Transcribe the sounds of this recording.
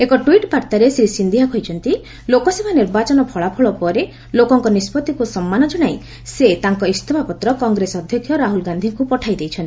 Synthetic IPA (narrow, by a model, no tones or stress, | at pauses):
ekɔʈuiʈpaɾt̪aɾesɾisind̪ʱiɦakɔjt͡ʃʰɔnt̪i | lokɔsebʱaniɾbat͡ʃɔnɔpʰɔɭapʰɔɭɔpɔɾe | lokɔŋkɔnispɔt̪ikusɔmːanɔd͡ʒɔɽ̃aj | set̪aŋkɔist̪ʰɔbʱapɔt̪ɾɔkɔŋɡɾesɔd̪ʱjɔkʰjɔɾaɦulɡand̪ʱiŋkupɔʈʰajd̪ejt͡ʃʰɔnt̪i